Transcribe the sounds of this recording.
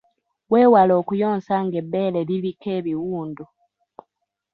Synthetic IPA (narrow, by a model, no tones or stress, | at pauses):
weːwalo̞ːkujo̞ːnsaŋɡe̞bːe̞ːleβiβike̞ːβiwuːndu